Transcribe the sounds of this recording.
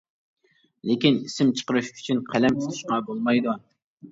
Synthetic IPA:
lekʲinisɪmt͡ʃʰə̥qəɾɨʃy̥t͡ʃʰynqʰælɛmt̪ʰɨzʰuʃqɑbolˠmɑjd̪u

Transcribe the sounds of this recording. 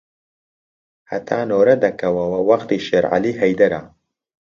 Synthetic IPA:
hɐ̰t̪ʰaːnoːɾɐd̪ɐkɐwɐwɐwɐxt̪iʃeːɾʕa̰liɦɐjd̪ɐɾa

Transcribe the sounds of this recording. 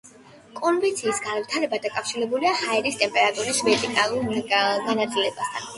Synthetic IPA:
kʼɔnvit̪sʰiːsɡanvit̪ʰaɾɛbad̪akʼafʃiɾɛbuliahaɛɾist̪ʼɛmpʼɛɾat̪ʼuɾisvɛɾt̪ʼikʼalˠuɾɡanat̪sʼilɛbast̪ʰan

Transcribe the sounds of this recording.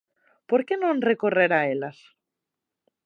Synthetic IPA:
poɾkenõnrekoreɾaelas

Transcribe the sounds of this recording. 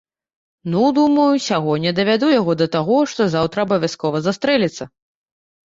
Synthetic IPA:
nud̪umɐjusʲaɣɔnʲɛd̪ɐvʲad̪ujaɣɔd̪ɐt̪aɣɔʂt̪ɔzawt̪ɾɐːbɐvʲjaskɔvɐzast̪ɾɛlʲɛt̪sːɐ

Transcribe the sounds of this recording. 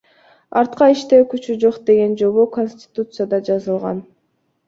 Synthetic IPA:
ɑɾt̪qɑiʃt̪e̞kyt͡ʃyd͡ʒo̞qd̪e̞ɡe̞nd͡ʒo̞βoko̞nʲsʲtʲɪ̥t̪ut̪sɨjad̪ɑd͡ʒɑzɯlˠʁɑ̰n

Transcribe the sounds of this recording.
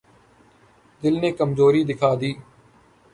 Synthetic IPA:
d̪ɪlnẽːkəmzoːɾiːd̪ɪkʰaːd̪iː

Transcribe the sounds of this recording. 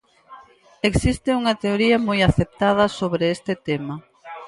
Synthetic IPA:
eksist̪ɪuŋɐt̪eoɾiɐmojaθep̚t̪að̞ɐsoβɾeest̪et̪emɐ

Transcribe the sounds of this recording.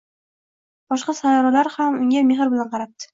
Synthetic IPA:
b̥ɒʃqɑsajɒɾalaɾhamʊŋʲameɦɨɾbɪlanqʰɑɾap̚t̪ʰɪ̥

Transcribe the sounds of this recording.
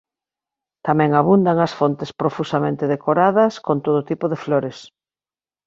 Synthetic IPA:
t̪amɛ̃ŋaβund̪aŋɐsfont̪ɪspɾofusamẽnt̪eðekoɾaðɐskont̪oðot̪ipoðefloɾes

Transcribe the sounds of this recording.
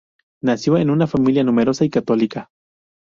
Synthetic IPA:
nasiwaenunafamiljanumeɾosaikat̪olika

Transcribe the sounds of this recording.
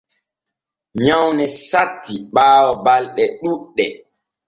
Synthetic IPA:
ɲawnɛsatːiɓaːwɔbalɗɛɗuɗːɛ

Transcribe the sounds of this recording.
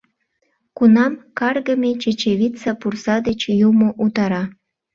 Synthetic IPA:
kunɑmkɑrɣəmet͡ɕet͡ɕeβit͡sɑpursɑd̪et͡ɕjumoʔut̪ɑɾɑ

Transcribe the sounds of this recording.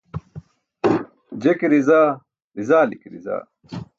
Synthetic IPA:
d͡ʑekɾizaː | ɾizaːlikɾḭza̰ː

